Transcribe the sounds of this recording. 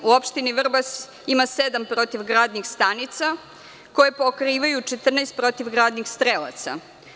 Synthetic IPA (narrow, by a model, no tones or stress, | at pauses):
uopʃt̪iniʋr̩bas | imased̪ampɾo̞t̪iʋɡɾaːd̪nixst̪anit̪sa | ko̞jepokɾiːʋajut͡ʃet̪r̩naest̪̚pɾo̞t̪iʋɡɾaːd̪nixst̪ɾelˠa̰t̪sa̰